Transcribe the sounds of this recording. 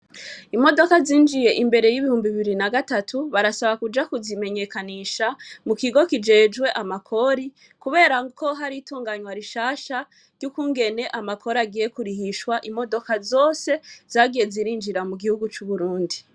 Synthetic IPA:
imo̞do̞kaziːnd͡ʒijeʔimbe̞ɾe̞jiβihuːmbiβiɾinaɡatatʰuβaɾasaβakud͡ʒakuzime̞ɲe̞kaniʃamukiɡo̞kid͡ʒe̞ːd͡ʒɡwe̞ʔamakʰo̞ɾi | kuβe̞ːɾakʰo̞ɦaɾituːŋɡaɲwaɾiʃaːʃa | ɾɟ̥jukuːŋɡe̞ne̞ʔamakʰo̞ɾaɡiːje̞kuɾihiʃwaʔimo̞do̞kazo̞ːse̞z̥aːɡije̞ziɾiːnd͡ʒiɾamuɡihuɡut͡ʃuβuɾuːndi

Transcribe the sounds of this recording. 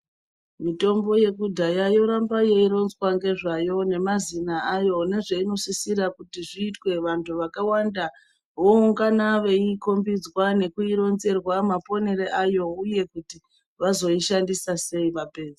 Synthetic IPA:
mito̞mbo̞je̞kudʱajajo̞ɾambajeiɾo̞nzwaŋɡe̞ʐajo̞ne̞mazinaajo̞ne̞ʐeino̞sisiɾakutiʐiːtwe̞ʋantʰuʋakawanda | ʋouŋɡanaʋe̞iko̞mbid͡zwane̞kuiɾo̞nze̞rwamapo̞ne̞ɾeʔajo̞uje̞kuti | ʋazo̞iʃandisase̞iʋape̞ːd͡ze

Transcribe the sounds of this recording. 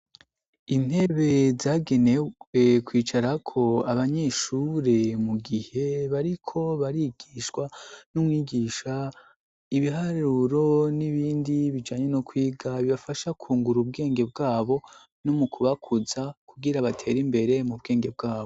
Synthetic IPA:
in̥he̞βe̞zaːɡe̞newekwiːt͡ʃaɾakʰo̞aβaɲe̞ʃuɾe̞muɡihe̞βaɾikʰo̞βaɾiɡ̥iːʃwanumŋiːɡiːʃa | iβiɦaɾuɾo̞niβiːndiβid͡ʒaːɲe̞nokwiːɡaβiβafaʃakʰuːŋɡuɾub̚ɡe̞ːŋɡe̞b̚ɡaːβo̞ | nomukʰuβakʰuzakuɡiɾaβatʰe̞ːɾimbe̞ɾemub̚ɡe̞ːŋɡe̞b̚ɡaːβo

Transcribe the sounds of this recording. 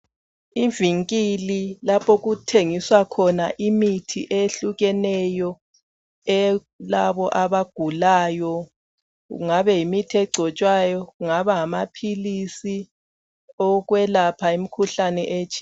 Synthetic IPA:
iviŋkʼililapʰoɣutʰeŋiswakʰɔnaʔimitʰḭʔeɬuɣɛnɛjɔ | ɛ | laβɔʔaβaɡ̥ʱulaːjɔ | ɣṵŋaβɛjimitʰiɛɡ͡ǀʱɔt͡ʃʼwajɔɣuŋaβaŋamapʰilisi | ɔɣwɛlapʰaimikʰuɬanɛʔeːt͡ʃʰi̥

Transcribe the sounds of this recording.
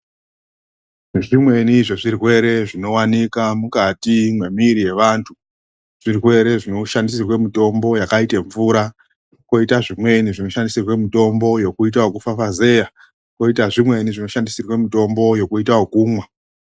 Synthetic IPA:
ʐimwe̞niʐoʐirwe̞ɾe̞ʐino̞wanikamukatimwe̞miːɾije̞ʋaːntʰu | ʐ̥irwe̞ɾe̞ʐino̞ʃandisirwe̞mito̞mbo̞jakaiteɱvuɾa | ko̞itaʐimwe̞niʐino̞ʃandisirwe̞mito̞mbo̞jo̞kuit̬aokufafaze̞ːja | ko̞itaʐimwe̞niʐino̞ʃandisirwe̞mito̞mbo̞jo̞kuitaokuːmwa

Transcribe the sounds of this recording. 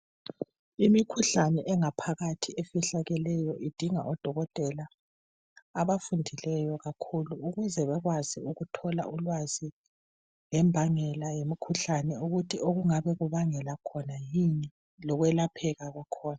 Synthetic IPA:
imikʰuɬanɛʔɛŋapʰaɣatʰiefiɬaɣɛlɛjɔʔid̥ʱiŋaʔɔd̥ʱɔɣɔtʼɛlaː | βafundʱilɛjɔɣakʰuluːɣuzɛβɛɣwaziuɣutʰɔla̰ʔulwazi | lɛmbʱaŋɛlajemikʰuɬanɛuɣutʰiʔoɣuŋaβɛɣuβaŋɛlakʰɔnajiɲɛ | lɔɣwɛlapʰɛɣaɣakʰɔːna

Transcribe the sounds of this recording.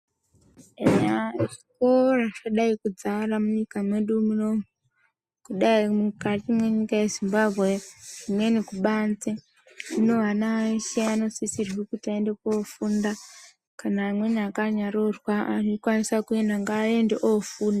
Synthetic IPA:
eɲaeʐikoraʃaɗaikud͡zaramuɲikamwe̞ɗumunomu | kuɗaimukatimwe̞ɲikajezimbabʱwe̞ʐimwe̞nikuɓand͡ze | ino̞ʋanaʃeano̞sisirwikutiaendekofunda | kanaːmwe̞niakaɲaɾorwaanokwanisakuendaŋɡaːendeʔofuːnda

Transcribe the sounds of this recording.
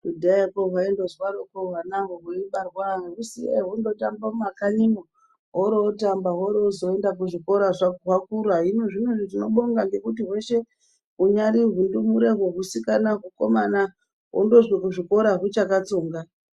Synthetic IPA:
dudaakoɦwaindozwaɾokoɦwanaɦoɦuimɓarwaeusieɦundo̞tambaumakaɲimo | ɦoɾootambaɦoɾeːzo̞e̞ndak̬uʐiko̞ɾaʐaɦwakuɾuɦaɦinoʐinoʐitino̞ɓo̞ŋɡaŋɡe̞kut̬iɦwe̞ʃe̞ | ɦuɲaɾiɦundumuɾeɦwoɦusikanaɦuko̞̰mana | wʔo̰ndo̞ʐikuʐiko̞ɾaɦut͡ʃakat͡soːŋɡa

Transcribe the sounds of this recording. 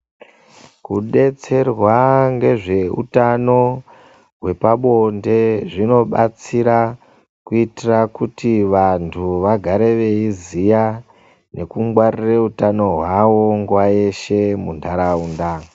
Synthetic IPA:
kuɗe̞t͡se̞rwaŋɡe̞ʐe̞ṵtano̞ | ɦwe̞paɓo̞nde̞ʐino̞ɓat͡siɾa | kuitirakutiʋantʰuʋaɡʱaɾe̞ʋe̞izija | ne̞kuŋɡwarireutano̞ɦwawo̞ŋɡwaje̞ʃe̞mundaɾauːnda

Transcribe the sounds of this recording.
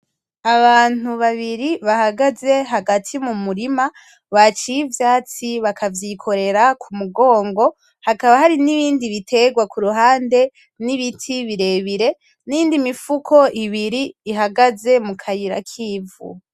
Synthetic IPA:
aβaːn̥uβaβiɾiβahaɡaze̞ɦaɡatʰimumuɾima | βat͡ʃijivjaːt͡siβakʰavjikʰo̞ɾe̞ɾakʰumuɡo̞ːŋɡo̞ | hakaβahaɾiniβiːndiβitʰe̞ɡwakuɾuɦaːnde̞ | niβitʰiβiɾe̞βiɾe̞ | niiːndimifukʰo̞ʔiβiɾiːɦaɡaze̞mukʰajiɾa̰kʰiːvṵ

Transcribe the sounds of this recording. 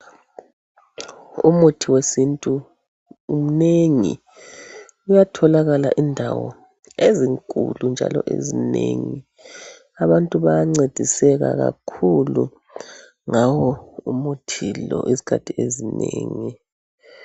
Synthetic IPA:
umutʰiwesintʼuː | m̩neŋi | ujatʰɔlaɣalaʔindʱawɔ̰ | eziŋkʼṵlund͡ʒʱa̰lɔ̰ʔezineŋi | aβantʼuβajaŋ͡ǀed̥ʱisɛɣa̰ɣa̰kʰulu | ŋawɔumutʰilɔ̰ʔizi̥kʰatʰiezineŋi

